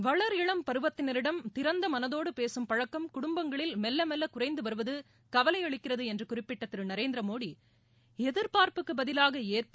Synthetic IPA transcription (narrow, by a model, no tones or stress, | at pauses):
ʋɐɭɐɾɪɭɐmpɐɾɯʋɐt̪ːɪnɐɾɪɽɐmt̪ɪɾɐnd̪ɐmɐnɐðoːɽɯpeːsɯmpɐɻɐkːɐmkʊɽʊmbɐŋɡɐɭɪlmɛlːɐmɛlːɐkʊrɐɪnd̪ɯʋɐɾɯʋɐðɯ | kɐʋɐlɐɪɐɭɪkːɪrɐðɯɛndrɯkʊrɪpːɪʈːɐt̪ːɪɾnɐɾeːnd̪ɾɐmoːɽi | ɛðɯɾpaːɾpɯkːɯbɐðɪlaːɣɐeːrp